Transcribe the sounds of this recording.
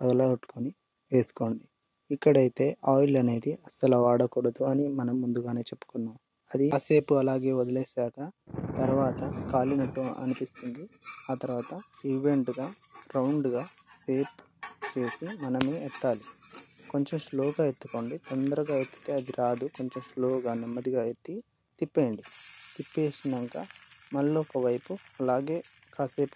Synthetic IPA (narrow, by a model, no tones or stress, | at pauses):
pɐɡɐlɐɡɐʈːu̥koni | ʋe̞ːsu̥ko̞ːɳɖi | ikːɐɽɐjit̪e̞ːʔaːjlɐne̞ːd̪iʔɐsɐlɐʋaːɽɐkuːɽɐd̪uɐnimɐnɐmːund̪uɡaːne̞ːt͡ʃepːu̥kunːɐm | ɐd̪iɐse̞ːpuɐlaːɡeːʋod̪ɐleːsaːkɐt̪ɐɾuʋaːt̪ɐkaːlinɐʈːuɐ̰nipist̪und̪iaːt̪ɐɾʋaːt̪ɐiʋe̞ɳʈɡaː | ɾɐwɳɖɡaːse̞ːp | t͡ʃe̞ːsimɐnɐmeɛt̪ːaːliko̞ɲt͡ʃemsloːɡaːe̞t̪ːu̥ko̞ːɳɖit̪ond̪ɐɾɐɡaːet̪ːi̥t̪e̞ːɐd̪iɾaːd̪uko̞ɲt͡ʃemsloːɡaːnɐmːɐd̪iɡaːet̪ːi | t̪ipːe̞ːɳɖit̪ipːe̞ːsinɐŋkamɐɭːoɔkɐʋɐjpuɐlaːɡe̞ː | kaːse̞ːpu